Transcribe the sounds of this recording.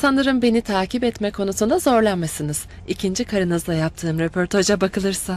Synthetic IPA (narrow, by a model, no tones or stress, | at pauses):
sanˠɯɾɯmbe̞nit̪ʰaːcipɛt̪mɛkʰo̞nusund̪azo̞ɾlˠanmesinɯz̥ | icʰind͡ʒikʰaɾɯnɯzlˠajap̚t̪ʰɯːmɾepʰoɾt̪ʰod͡ʒabakʰɯlˠɯɾsa